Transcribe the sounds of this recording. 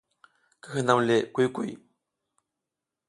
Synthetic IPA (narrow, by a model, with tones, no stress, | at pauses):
kə̥˦hɯ˨na˨mle˨ku˦jku˦˨˩j